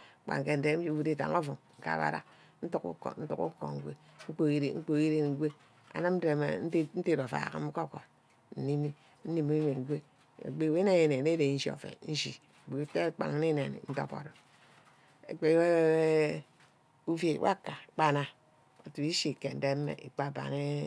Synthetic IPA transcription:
k͡pa̰˨ŋ˨ke˦n̩˨de˦bu˨di˦ta̰˨ŋo˦fu˨ŋŋ̩˨ka̰˨βa̰˦ɾa̰˦ | n̩˦tu˦kṵ˦ko̰˨n̩˦tṵ˦kṵ˦ko̰˨ŋ̩˦ɡʷe˦ŋ͡m̩˦k͡po˨i˦ɾḭ˨ŋ͡m̩˦k͡po˨˦i˦ɾe˦n˨˦ɡʷe˦ | a̰˨na˦m̩˦de˨m̰˨n̩˦n̩˦te˦ɾo˨fa̰˨ka̰˦m̩˦ko˦ko˨ | n̩˨ni˦mi˦ | n̩˦ni˦mu˦e˨˦ɡʷe˦ | ḛ˨ɡ͡be˦˨we˦ne˦je˨ne˨ne˦de˨n̩˦ʃi˦o̰˨fḛ˨n̩˦ʃḭ˨ | ɡe˨˦fe˦k͡pa̰˨ŋ˦ni˦ne˨nḭ˨n̩˦to̰˦po̰˨ɾo˨ | ḛ˨ɡ͡be˨˦we˦e˦ | u˦fje˨˦wʔa̰˦ka˨k͡pa˦na˦ | o˨tu˨i˦ʃi˦˨ke˨n̩˦de˦m˦mḛ˨i˨k͡pa˦˨ba̰˨ŋe˦

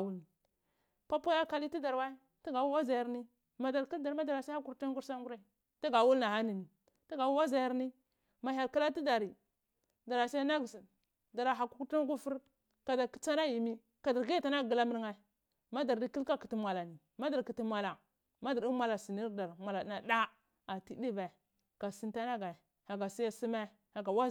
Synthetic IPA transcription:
wu˦lni˨ | pa˦po˦ja˦ka˦li˦ti˦da˨ɾwa˦i˦ | ti˦ɡa˨wu˦wa˦za˨ja˨˦ɾni˦ | ma˨da˨ɾki˦lda˨ɾma˦da˨ɾa˨sa˦a˦ku˦ka˦ŋ˦ɡu˦ɾsa˦ŋɡu˦ɾa˦i˨ | ta˦ɡa˨wu˦lna˨ɦa˦ni˨ni˨ | ti˦ɡa˨wu˦wa˦za˨ja˦ɾni˦ | ma˨ɦa˨ɾka˦la˦ti˦da˨ɾi˨ | da˨ɾa˨sa˦a˦ɡs | da˨ɾa˨ɦa˨ku˦ku˦ti˦ŋ˦ɡu˦fu˦ɾ | ka˨da˨ki˦t͡sa˦na˦ji˨mi˦ | ka˨da˨ɾɡi˦ta˨na˦˨ɡi˨la˦mi˦ɾŋa˦˨ | ma˦da˨ɾdi˦ki˦lka˦ki˨ti˦mʷa˨la˨ni˨ | ma˦da˨ɾki˨ti˦ma˨la˨ | ma˦da˨ɾi˦mʷa˨la˨si˨ni˦ɾda˨ɾmʷa˨la˨˦na˨da˦ | a˨ti˦di˦ve˨ | ka˨si˦nta˦na˦ɡa˨ | ha˨ɡa˨si˦ja˦si˦me˦ | ha˨ɡa˨wa˦˨

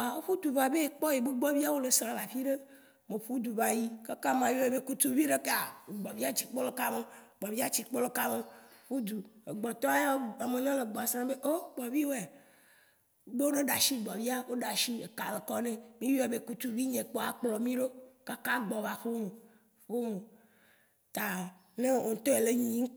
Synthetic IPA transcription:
a˨wo˦ɸu˦d̪u˨va˨be˦k͡pɔ˦je˨be˦ɡ͡bɔ˦vi˦a˦wo˦le˨sã˨la˨fi˦ɖe˦ | mẽ˨ɸu˦d̪u˨va˨ji˦ka˦ka˦mã˨jo˦e˨be˦ku˦t̪u˦vi˦ɖe˦ka˨ɡ͡bɔ˨vi˦a˦t͡ɕi˨k͡pɔ˦lo˦ka˦me˦ | ɡ͡bɔ˨vi˦a˦t͡ɕi˨k͡pɔ˦lo˦ka˦mẽ˦ɸu˦d̪u˨e˨ɡ͡bɔ˨t̪ɔ̃˦ja˦a˨mẽ˨ɲɔ̃˦le˨ɡ͡bɔ˨a˨sɾã˦be˦ʔo˦k͡pɔ˨vi˦wo˦ɛ˨˦ | be˦wo˦ne˦ɖa˨ʃi˦ɡ͡bɔ˨vi˦a˦wo˦ɖa˨ʃi˦e˨ka˨le˨kɔ˦nẽ˦mĩ˦jo˦e˨be˦ku˦t̪u˦vi˦ɲẽ˨k͡po˦a˨k͡plɔ˨mĩ˦ɖo˦ka˦ka˦ɡ͡bɔ˨va˨ɸo˦me˨ | ɸo˦me˨ | t̪a˨ | nẽ˦o˨ŋ̩˨t̪ɔ˦e˨le˦ɲĩ˦

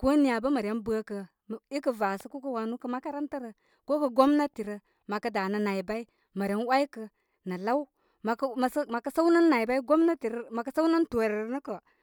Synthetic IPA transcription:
ko˦ni˦ja˨bə˦ma˨ɾja˦nba˦kə˨ | i˦kə˨va˨sə˦ku˦kə˦wa˨nu˦kə˨ma˦ka˦ɾa˦ntə˦ɾə˨ | ko˦kə˨ɡo˦mna˦ti˨ɾə˨ | ma˨kə˨da˨nə˨na˨i˨ba˦i˦ | ma˨ɾa˦nwa˦i˦kə˨ | na˨la˦w | ma˨kma˨sma˨kə˦sa˦u˦na˦nːa˨i˨ba˦i˦ɡo˦mna˦ti˨ɾə˦ma˨kə˨˦sa˦wna˦nto˨ɾi˨ɾnə˦kə˨

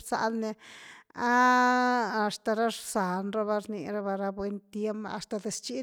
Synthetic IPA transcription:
ɾsa̰˧lne˧aː˦˨ | st̪a˨ɾa˦ɾsa˨nɾa˦βa˧ɾnḭ˧ɾa˧ba˧ɾa˧bwe˧˦nt̪je˦mba̰˧st̪a˧d̪e˧st͡ʃi˦

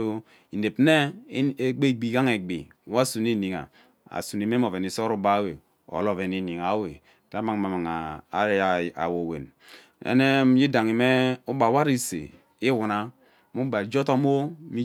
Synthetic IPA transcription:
o˦ | i˨ne˨pne˦ | ɡ͡be˦˨ɡ͡bi˨ɡa˦ŋe˨ɡ͡bḭ˨wa˦su˨ni˦ni˨ŋa̰˨ | a̰˨su˨ni˨me˦m˦o˨ve˨ni˨so˦ɾu˦ba˦we˨ | o̰˨lo˨ve˨ni˨ni˨ŋa˨˦we˨ | ta˦ma˨ŋ˨ma˨ma˨ŋa˨˦˨ | a̰˨wo˨wḛ˨n | ḛ˦ne˦ji˦da˨ŋi˨me˦u˦ba˨wa˦ɾi˦sḛ˨ | i˦wu˨na˦ | mu˦ba˨d͡ʒo˦to˦mo˦mi˦

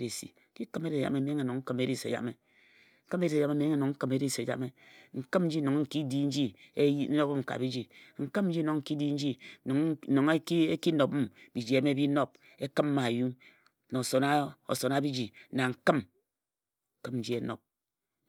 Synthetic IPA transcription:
ɾi˨sḭ˨ki˦kɨ˦me˦ɾi˨ja̰˨me˦˨m˦e˨nu˨ŋŋ̩˦kɨ˦me˦ɾi˦sḛ˨ja̰˨me˨ | ŋ̩˦kɨ˦me˦ɾi˨se˨a˨me˦m˨˦ŋe˦˨nu˨ŋŋ̩˦kɨ˦me˦ɾi˦se˨d͡ʒa̰˨me˦ŋ̩˨kɨ˦m˦n̩˦d͡ʒi˦no˨ŋ˦ŋ̩˨ki˦di˦n̩˦d͡ʒi˦e˦no˦ŋ̩˨ka̰˨bi˦d͡ʒi˨ŋ̩˨kɨ˦mn̩˦d͡ʒi˦no˨ŋŋ̩˨ki˦di˦n̩˦d͡ʒi˦˨ | no˨ŋ˦ke˦ki˦no˨bmbi˨d͡ʒi˨˦e˨˦me˦bi˦no˦p̚ | e˦kɨ˦m˦ma˨ju˦ | no˨so˨na˦o̰˨so˨na˦bi˦d͡ʒi˨na˨ŋ̩˨kɨ˦m˨ | kɨ˦mn̩˦d͡ʒi˦e˦no̰˨p̚

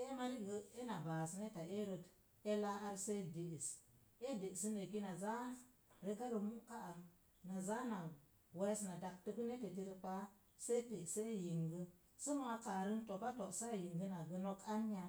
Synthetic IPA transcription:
e˦ma˦ɾi˦ɡə˦e˦na˨ba˨sne˦ta˨e˦ɾə˨t | e˦la˦a˦ɾse˦de˨i˨s | e˦de˨si˦ne˨ki˦na˨za˦ | ɾe˦ɡa˦ɾə˨mu˦ka˦ʔa˨ | na˨za˦na˨ | we˦sna˨da˨ktə˦ku˦ne˦te˨t̬i˦ɾi˦pa˦ | se˦te˨se˦ji˨ŋɡə˦ | su˦mo˦a˦ka˨ɾə˦nto˨pa˦to˨ʔsa˦˨ji˨ŋɡə˦na˨ɡə˨no˦ka˦n˦ja˨

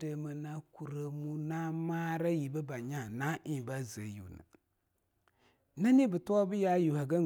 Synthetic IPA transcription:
də˨mə˨na˦ku˨ɾə˦mu˦na˦maː˦ɾa˦ji˨bə˦ba˨ɲa˦˨na˦ʔĩ˨ba˦zə˨˦jṵ˨nɨ̰˨ | na˦ni˦bɨ˨tu˦a˦bɨ˦ja˦ju˨ha˨ɡa˦

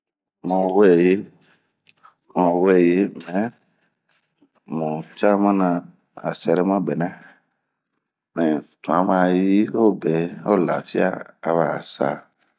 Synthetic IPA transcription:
mɔ̃˨˦wɛ˦˨je˦ | mɔ̃˨wɛ˦˨je˦mɛ̃˨˦ | mɔ̃˨t͡ʃa˦mã˦nã˧ | a̰˨sɛ˨ɾɛ˦mã˦˨bɛ˨nã˦ | mɛ̃˨tũ˨ã˦mã˨ji˦o˦˨bɛ˨o˦˨la̰˨fi˦a̰˦a˨βa˨sa̰˨

